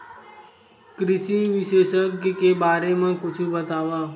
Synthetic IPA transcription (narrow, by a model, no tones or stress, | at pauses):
kɾɪʃiʋɪʃeːʃəkkebaːɾemãkʊt͡ʃʰubət̪aːʋaː